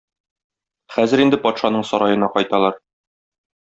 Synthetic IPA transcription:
χæzɘ̆ɾind̪ɘpɒt̪ʃɑnɤɴsɒɾɑjɤ̆nɑqɒjt̪ɑlˠɑɾ

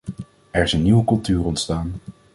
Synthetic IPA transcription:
ɛɹɪsənːiwəkɵlˠtyːrɔntstaːn

